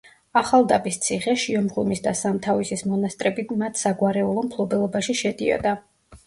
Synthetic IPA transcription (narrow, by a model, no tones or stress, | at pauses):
aχalˠd̪abist̪sʰiχɛʃiɔmʁumisd̪asamt̪ʰavisismɔnast̪ʼɾɛbimat̪ʰsaɡwaɾɛulˠɔmpʰlˠɔbɛlˠɔbaʃiʃɛd̪iɔ̰d̪a